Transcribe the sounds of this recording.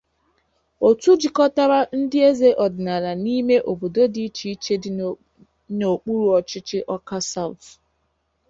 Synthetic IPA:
o˨tu˦d͡ʒi˨kɔ˦ta˦ɾa˦n̩˦dɪ˦e˦ze˦ʔɔ˨dɪ˨na˨ɾa˨ni˦me˦ʔo˨bo˨do˦di˦t͡ʃi˦t͡ʃe˦ | no˨k͡pu˦ɾu˨ɔ˨t͡ʃɪ˦t͡ʃɪ˦ʔɔ˦ka˦sa˦˨w̰t

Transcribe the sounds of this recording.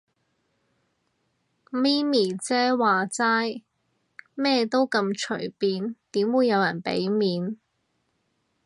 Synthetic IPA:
miː˥miː˨˩t͡sɛː˥waː˨t͡saː˥j | mɛː˥t̪o˥wkɐ˧mt͡ʃʰɵ̰˨˩piː˨˧nt̪iː˨˥mwuː˨˧jːɐ˨˧wjɐ˨˩npḛ˨˥jmiː˨˧n

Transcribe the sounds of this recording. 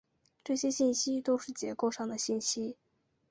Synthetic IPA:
ʈ͡ʂɤ˥˩ɕjɛ˥ɕi˥˩nɕi˥t̪o˥ʊʂɻ̩˥˩t͡ɕjɛ˧˥ko˥˧ʊʂɑ˥˩ŋd̪ə˩ɕi˥˩nɕi˥

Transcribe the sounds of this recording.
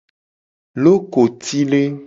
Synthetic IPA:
lo˦ko˨t̪ʰi˦le˦

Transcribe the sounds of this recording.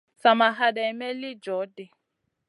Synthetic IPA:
sa˨ma˨ɦa˨da˨i˨mɛ˦lɪ˦d͡ʒɔ˨˦dɛ˨

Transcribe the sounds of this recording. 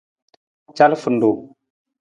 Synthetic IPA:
t͡ʃa˦lfə˨ndu˨

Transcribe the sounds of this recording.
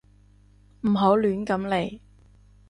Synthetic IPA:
m̩˨˩ɦo˨˥wlyː˨˥nkɐ˨˥mle˨˩j

